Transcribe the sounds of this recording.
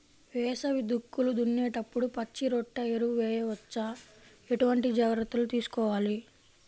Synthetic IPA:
ʋɛːsɐʋid̪ukːulud̪unːɛːʈɐpːuɽupɐt͡ʃːiɾɔʈːɐeɾuʋɛːjɐʋɐt͡ʃːaː | eʈuʋɐɳʈid͡ʒaːɡɾɐt̪ːulut̪iːsu̥kɔːʋaːli

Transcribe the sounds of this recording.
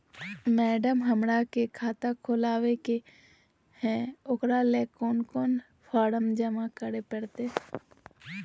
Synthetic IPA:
mɛːɖəmɦəmɾakekʰaːt̪akʰoːlaːʋeke | hɛ̃ʊkɾalekoːnkoːn | pʰaːɾəmd͡ʒəmakəɾepəɽt̪e

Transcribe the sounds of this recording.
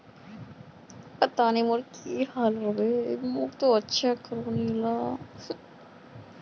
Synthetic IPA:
pət̪animoɾkiɦalɦɔbemokt̪oətːʃʰakəɾõnila

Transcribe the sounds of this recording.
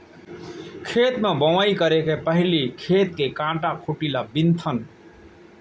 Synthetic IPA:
kʰet̪mebəʋaikəɾekepəɦɪlikʰet̪̚kekãʈakʰuʈilabint̪ʰən

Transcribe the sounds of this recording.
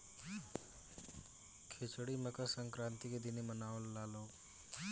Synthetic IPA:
kʰet͡ʃɽiməkəsəŋkɾãːnt̪iked̪inimənaːʋəlːaːloː

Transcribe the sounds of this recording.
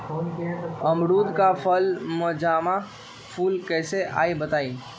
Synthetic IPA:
əmɽuːd̪kapʰəlməd͡ʒaːmã | pʰuːlkɛːseʔa̰ːibət̪aːi

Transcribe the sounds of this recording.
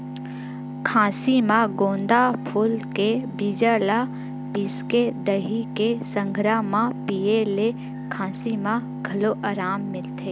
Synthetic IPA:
kʰãːsimãɡõːnd̪apʰʊlkebid͡ʒala | pisked̪əɦikesə̃ŋɡʱɾamãpijele | kʰãːsimã | ɡʱɐloʔaːɾaːmːɪlt̪eː

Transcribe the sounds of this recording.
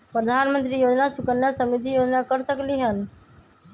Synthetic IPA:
pɾəd̪ʱanmənt̪ɾijod͡ʒnasukənjasəmid̪ʱijod͡ʒnakəɾsəkliɦən

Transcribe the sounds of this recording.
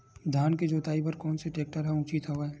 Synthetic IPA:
d̪ʱjaːnked͡ʒoːt̪aːipɐɾkɔːnseʈeːk̚ʈəɾɦɛ̃ũːt͡ʃit̪ɦoaɛː

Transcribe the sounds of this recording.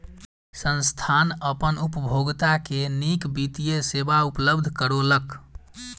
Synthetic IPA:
sənst̪ʰanəpənupəbʱoɡt̪akenikbit̪ijesebaupləbd̪ʱkəɾolək

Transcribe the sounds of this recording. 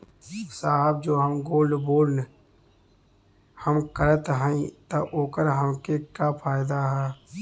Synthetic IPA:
saːɦəb̚d͡ʒoːɦəmɡoːlɖboːln | həmkəɾət̪ɦə̃ĩt̪ɐʔoːkəɾɦəmkekapʰaːjd̪aɦɛː

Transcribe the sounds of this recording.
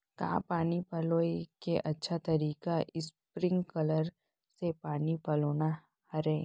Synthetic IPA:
kã̰ːpaːnipɐloːikeʔɐtːʃʰat̪ɐɾiːkaʔɪspɾɪ̃ŋɡkɐləɾ | sepaːnipɐloːna | hɐɾẽː

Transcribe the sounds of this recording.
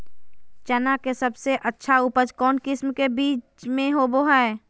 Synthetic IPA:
t͡ʃənakesəbseʔətːʃʰaʊpəd͡ʒkɔːnkɪsmkebiːt͡ʃmẽɦoboɦɛː

